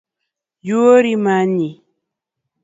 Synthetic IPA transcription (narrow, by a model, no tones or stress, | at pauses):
juoɾimaɲi